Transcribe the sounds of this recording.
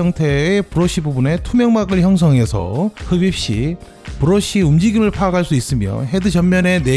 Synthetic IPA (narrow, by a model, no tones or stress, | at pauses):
ʌŋtʰe̞ːpuɾʌɕ͈ʰibubune̞tʰumjʌŋmaɡɯɭçjʌŋs̬ʰʌŋe̞sʰʌ̰hɯbip̚ɕ͈i | puɾʌɕ͈iumd͡ʑiɡimɯɭpʰaaɡaɭs͈uis͈ɯmjʌ̰ɦe̞dɯt͡ɕʌmːjʌne̞ne